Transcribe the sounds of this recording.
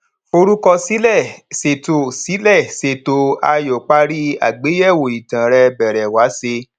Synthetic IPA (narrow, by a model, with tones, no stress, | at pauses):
o˧ɾu˦kɔ˧si˨˦lɛ˦˨se˨to˨si˨˦lɛ˦˨se˧to˧a˧jo˨k͡pa˦ɾi˦a̰˨ɡ͡be˨˦jɛ˦˨wo˨i˨tã˨ɾɛ˧bɛ˨ɾɛ˨wa˨˦se˧